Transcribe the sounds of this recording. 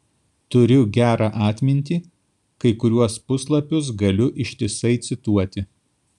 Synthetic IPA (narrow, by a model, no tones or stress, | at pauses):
t̪ʊɾʲʊɡʲæːɾʔɑːʔɑːt̪ʲmʲɪnʲt̪ʲiː | kɐɪkʊɾʲuɔspʊslˠɐpʲʊs̬ɡɐlʲʊʔɪʃʲt̪ʲɪsɐɪt̪sʲɪt̪uɔt̪ʲɪ